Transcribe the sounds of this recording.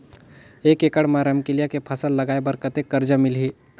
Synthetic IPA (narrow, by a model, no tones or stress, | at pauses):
eːkekəɽmãɾəmkilijakepʰəsəlːəɡaːebəɾkət̪ekːəɾd͡ʒəmɪlɦi